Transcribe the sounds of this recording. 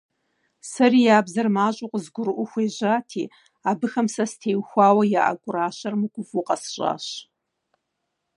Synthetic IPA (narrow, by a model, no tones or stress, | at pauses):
sɐrijaːbzɐrmaːɕʼʊqʷʼzɡʷʊɾɨʔʷʊxʷeːʑʷaːtʰḭː | abɨxɐmsɐstʰeːjwxʷaːwɐja̰ʔa̰ɡʷʼʊɾaːʃɐrmɨkʷʼʊfuqʼɐsɕʷʼa̰ːɕ